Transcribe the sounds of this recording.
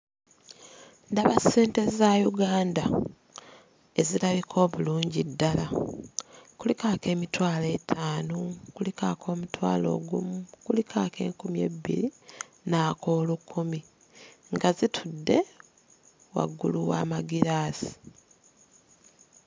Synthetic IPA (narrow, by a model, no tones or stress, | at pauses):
ndaβase̞ːnte̞zajuɡaːnda | e̞zilaβikʰo̞ːβuluːɲɟidːala | kulikaːke̞ːmitwaːle̞tʰaːnokulikakʰo̞ːmutwa̰ːlo̞̰ɡṵmukulikʰaːke̞̰ːŋkumjḛbḭɾi | naːkʰo̞ːlukʰːumi | ŋɡazitʰudːe̞ | wa̰ɡːuluwa̰ːmaɡiɾaːzi̥